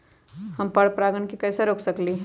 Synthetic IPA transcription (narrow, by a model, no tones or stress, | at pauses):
hɐmpɐɽpɾaːɡənkikɛːsaɾoːksɐkliː